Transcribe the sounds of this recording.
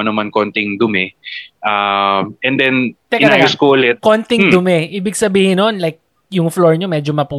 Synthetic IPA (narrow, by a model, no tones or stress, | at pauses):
ɐnɐmankont̪ɪŋd̪ʊmɛʔamɛnd̪ɛnt̪ɛkɪnɐɐjʊskoʔʊlɛt̪̚kont̪ɪŋd̪ʊmɛʔiːbɪɡsɐbiːhɪnonlajk̚ | jʊŋfloɹɲomɛd͡ʒomɐpuː